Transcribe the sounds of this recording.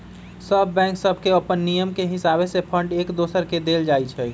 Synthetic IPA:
səbʱːɛ̃ksəbʱkeəpənːijəmkeɦisabesepʰəɳɖekd̪osəɾked̪eld͡ʒajt͡ʃʰɛ

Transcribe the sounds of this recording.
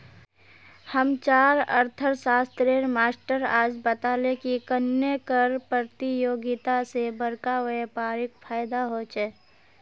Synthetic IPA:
həmt͡ʃaːɾə̰ɾt̪ʰəɾsaːst̪ɾeːɾmaːsʈəɾaːd͡ʒbət̪aːlekikənjəkəɾpɾət̪ijoːɡɪt̪asebəɾkaʋepaːɾɪk̚fʰaːjd̪aɦoːt͡ʃeː

